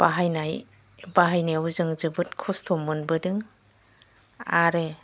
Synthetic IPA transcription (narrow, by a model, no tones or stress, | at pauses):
b̥aɦajnaj | baɦajneuzɯŋzɯbɯt̚kʰustʰɔmɯnbɯdɯŋ | aɾe